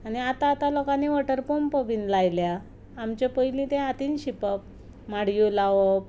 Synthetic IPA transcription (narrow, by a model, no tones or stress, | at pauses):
aniat̪aːt̪alɔkaneʋəʈəɾpompəʋinlajljaː | mt͡ɕapəjlĩt̪ẽat̪iːnɕipəp̚ | maɽjulaʋo